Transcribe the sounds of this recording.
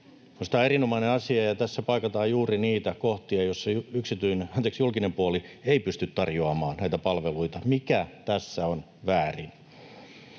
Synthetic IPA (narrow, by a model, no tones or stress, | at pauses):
konsi̥t̪æeɾinomɑineɑsiɑjɑt̪æsːæpɑikɑt̪ɑːjjuːriniːt̪ækoht̪iɑjosːɑyksit̪yineɑnt̪eksjulkinempuolieipyst̪yt̪tɑrjoɑmɑːnnæit̪æpɑlʋeluit̪ɑmikæt̪æsːæon | ʋæːrin